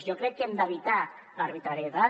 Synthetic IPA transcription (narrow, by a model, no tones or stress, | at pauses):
jokɾɛkːemd̪aβit̪a | larβit̪ɾaɾjeða